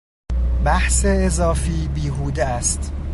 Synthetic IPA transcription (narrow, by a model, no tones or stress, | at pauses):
bæhseːzɒːfiːbiːɦuːd̪eæst̪